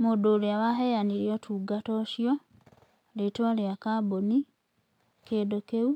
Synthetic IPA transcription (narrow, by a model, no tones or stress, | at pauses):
modoliaβaɦejaniɾjotʰuɡatoʃjo | letwaliakaboni | kedokeu